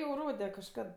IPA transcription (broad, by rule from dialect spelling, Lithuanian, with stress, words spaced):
jɛʊ ˈroːdʲɛ kɐʃˈkɐt